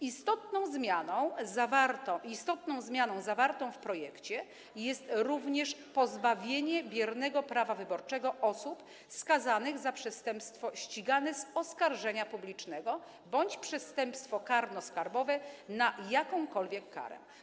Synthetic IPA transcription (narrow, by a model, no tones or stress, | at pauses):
ist̪ɔt̪nɔ̃w̃zmʲjanɔ̃w̃zavaɾt̪ɔ̃ist̪ɔt̪nɔ̃w̃zmʲjanɔ̃w̃zavaɾt̪ɔ̃w̃fpɾɔjɛkt͡ɕɛ | jɛst̪ɾuvɲɛʂpɔzbavʲjeɲɛbʲjɛɾnɛɡɔpɾavavɘbɔɾt͡ʂɛɡɔʔɔsup | skazanɘɣzapʂɛst̪ɛmpst̪fɔɕt͡ɕiɡanɛzɔskaɾʐɛɲapublʲit͡ʂnɛɡɔ | bɔɲt͡ɕpʂɛst̪ɛmpst̪fɔkaɾnɔskaɾbɔvɛnajakɔ̃w̃kɔlvʲjɛkːa̰ɾɛ̰